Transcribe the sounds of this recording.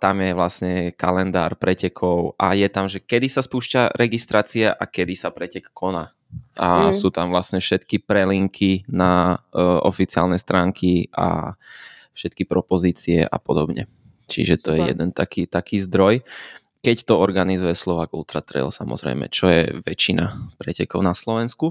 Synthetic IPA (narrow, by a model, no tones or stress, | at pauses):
t̪amjɛʋlasɲɛkalɛnd̪aːɾpɾɛcɛkʰɔʊʔajɛt̪amʒɛkɛd̪isaspuːʃcaɾʔɛɡist̪ɾaːt͡siɛʔakɛd̪isapɾɛcɛkːɔnaː | asuːt̪amʋlasɲɛfʃɛt̪kipɾɛliŋkʰinaʔɔfit͡siɪa̰lnɛst̪ɾaːŋkʰiʔa̰ | fʃɛt̪kipɾɔpɔziːt͡siɛ̰ʔa̰pɔd̪ɔbɲɛ̰ | t͡ʃḭʒɛt̪ɔjɛjɛ̰d̪ɛnt̪akiːt̪akiːzd̪ɾɔj | kɛct̪ɔɔɾɡanizujɛslɔʋaɡult̪ɾat̪ɾɛ̰lsamɔ̰zɾɛ̰ɪmɛ̰t͡ʃɔjɛ̰ʋɛt͡ʃina̰pɾɛcɛkɔʊnaslɔʋɛnsku